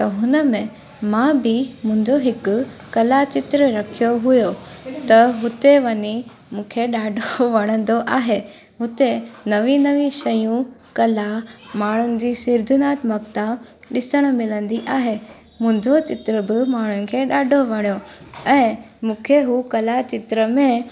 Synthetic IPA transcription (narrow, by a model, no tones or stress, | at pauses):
t̪ɐɦʊnəmẽ | mãbɪmʊ̃ɦɪ̃ɲd͡ʑoɦɪkʊ̆kɐlat͡ɕɪt̪ɾəɾɐkʰijoɦʊjot̪ɐɦʊt̪eʋɐɲi | mũːkʰeɗaːɖʱoʋɐɽ̃ə̃nd̪oʔaːɦe | ɦʊt̪enɐʋĩnɐʋĩʃɐjũkɐlamaːɳ̤̃ʊnɪ̆d͡ʑiːsɪɾd̪ʱɪnaːt̪mɐkt̪aɗɪsəɽ̃̆mɪlə̃nd̪iʔaːɦe | mʊ̃ɦɪ̃ɲd͡ʑot͡ɕɪt̪ɾəbɪmaːɳ̤ʊnɪ̆kʰeɗaːɖʱoʋɐɽ̃ijoɛ̃ː | mũːkʰeɦuːkɐlat͡ɕɪt̪ɾəmẽ